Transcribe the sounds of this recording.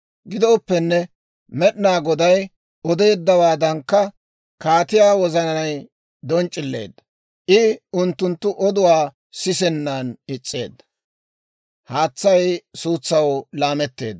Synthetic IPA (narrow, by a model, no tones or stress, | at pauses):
ɡɪd̪ɔːpːɛnːɛ | mɛɗnaːɡɔd̪ɐj | ɔd̪e̞ːd̪ːɐwaːd̪ɐŋkːɐ | kaːt̪ɪjaːwɔzɐnɐnɐj | d̪ɔnt͡ʃʼːɪlːḛːd̪ːɐ̥ | ʔɪʊnt̪ːʊnt̪ːʊʔɔd̪ʊwaː | sɪsɛnːaːnɪt͡sʼːe̞̰ːd̪ːɐ̥ | haːt͡sːɐjsuːt͡sːɐwlaːmɛt̪ːe̞̰ːd̪ːɐ